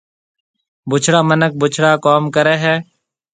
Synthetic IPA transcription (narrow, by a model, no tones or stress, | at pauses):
bʊt͡ʃʰɽaːmənək̚bʊt͡ʃʰɽaːkoːmkəɾɛːɦɛː